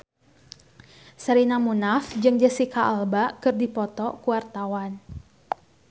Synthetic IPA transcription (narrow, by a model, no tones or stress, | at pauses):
səɾinamunafd͡ʒɨŋd͡ʒəsikaʔalbakɨrdipɔt̪ɔkuwart̪awan